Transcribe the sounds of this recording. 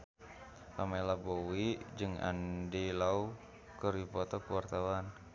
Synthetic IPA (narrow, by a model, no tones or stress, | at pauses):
pamalabowid͡ʒɨŋa̰ndilau | kəɾipɔt̪ɔkəwart̪awan